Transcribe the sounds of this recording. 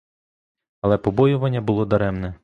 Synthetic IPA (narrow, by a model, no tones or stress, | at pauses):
ɐlˠɛpɔbɔjʊʋɐnʲːɐbʊlˠɔd̪ɐɾɛmnɛ